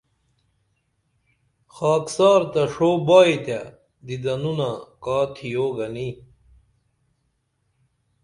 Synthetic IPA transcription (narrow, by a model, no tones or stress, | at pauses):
xaːksaːɾt̪ɐʂoːbaːit̪a | d̪id̪ɐnunakaːt̪ʰijoːɡɐni